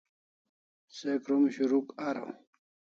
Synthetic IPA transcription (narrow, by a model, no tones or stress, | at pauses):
sekɾumɕuɾukaɾo̰